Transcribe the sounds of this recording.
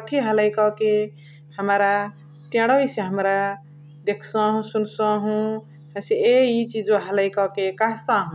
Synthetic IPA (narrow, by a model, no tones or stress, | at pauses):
t̪ʰiɦələjkɔke | həmɾa | t̪ẽɽɔjseɦəmɾa | d̪ekʰsə̃ɦũsunsɔ̃ɦũ | ɦə̃seeit͡ʃid͡ʒõɦələjkɔkekaɦsãɦũ